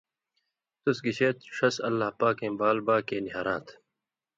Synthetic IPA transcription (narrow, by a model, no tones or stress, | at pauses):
t̪usɡiɕeːt̪ʂɐsɐlːaːpaːkẽːbaːlbaːkeːniɦaːɾãːt̪ʰ